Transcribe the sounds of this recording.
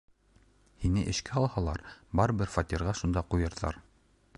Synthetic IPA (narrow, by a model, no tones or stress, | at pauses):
hinɘʔɘ̆ʃkæɑlˠhɑlˠɑɾbɑɾbɘɾfat̪ʲiɾʁɑʃund̪ɑqujɤ̆ɾðɑ̰ɾ